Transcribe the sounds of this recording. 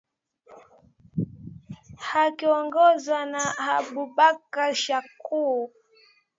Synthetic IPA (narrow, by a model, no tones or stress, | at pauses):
hakiɔŋɡɔzwanahabubakaʃaku